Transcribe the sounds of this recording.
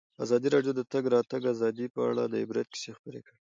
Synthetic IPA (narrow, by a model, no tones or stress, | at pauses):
a̰zɑd̪iɾɑjod̪ət̪aɡɾɑt̪aɡazɑd̪ipəa̰ɽa̰d̪əɪbɾat̪̚ki̥sexpəɾekəɽ